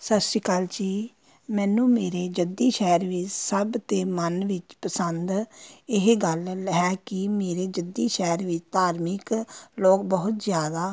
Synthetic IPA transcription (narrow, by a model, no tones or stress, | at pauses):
səsiːkaːld͡ʒiː | mɛːnũːmeːɾeːd͡ʒəd̪iːʃɛːɾʋɪt͡ʃsəbt̪eːmənʋɪt͡ʃpəsənd̪ɪɦɡəlːɦɛːkɪmeːɾeːd͡ʒəd̪iːʃɛːɾʋɪt͡ʃt̪aːɾmɪkloːkbəɦʊt̪zjaːd̪aː